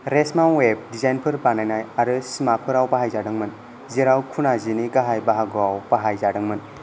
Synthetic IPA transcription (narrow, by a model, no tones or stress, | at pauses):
ɾesmanweb̚dizajnpʰɯɾbanajnajaɾɯsimapʰɯɾawbaɦajzadɯŋmɯn | ziɾawkʰunaziniɡaɦajbaɦaɡuawbaɦajzadɯŋmɯn